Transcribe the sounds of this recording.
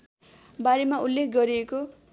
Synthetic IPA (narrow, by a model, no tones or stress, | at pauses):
baɾemaulːekʰɡʌɾieko